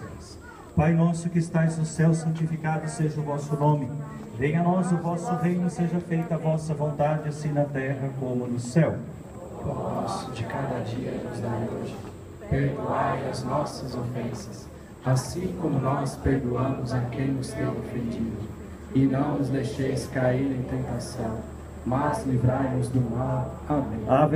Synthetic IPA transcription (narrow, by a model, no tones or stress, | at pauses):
pajnɔsʊkɪɪst̪ajznʊsɛwsɐ̃nt͡ʃifikad̪ʊseʒɐʊvɔsʊnõmɪvẽj̃ɐnɔzʊvɔsʊʁẽjnʊseʒɐfejt̪ʊavɔsɐvõnt̪ad͡ʒɪasĩnɐt̪ɛɦɐkõmʊnʊsɛw | pɔsʊd͡ʒɪkad̪ɐd͡ʒiɐ̰nʊzd̪aɾoʒɪ | peɾd̪uajɐznɔsɐzofẽsɐs | asĩkõmʊnɔspeɾd̪uɐ̃mʊzɐkẽj̃nʊst̪ẽj̃ofẽnd͡ʒid̪ʊ | ɪnɐ̃w̃nʊzd̪ejʃejskaiɾẽj̃t̪ẽnt̪asɐ̃w̃ | mazlivɾajmʊzd̪ʊmaw | amẽab